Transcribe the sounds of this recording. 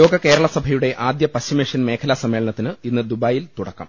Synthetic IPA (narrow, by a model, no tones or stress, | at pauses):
o̞ːɡɐke̞ːɾɐɭɐsɐbʱɐjuɽe̞ʔaːd̪jɐpɐɕɐmeːʂɐnme̞ːkʰɐlaːsɐmːe̞ːɭɐɳɐt̪ːinɨinːɨd̪ubaːjilt̪uɽɐkːɐ̰m